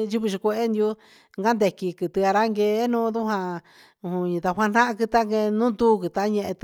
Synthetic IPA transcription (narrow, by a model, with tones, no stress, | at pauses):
ʒu˧βu˧ʃi˧kʷe˧e˦nd̪ju˦ | ŋɡa˦nd̪e˧ki˧kɨ˧˨t̪ɨ˧a˧ɾa˦ŋɡe˧˦nũː˦d̪u˦ɦã˧ | ũ˧ɲĩ˧t̪a˧ɦʷa˧n̥ã˦ʔã˧kɨ˧t̪a˦ŋɡe˧nũː˦d̪u˦kɨ˧t̪a˧˦ɲẽ˧ʔẽ˧t̪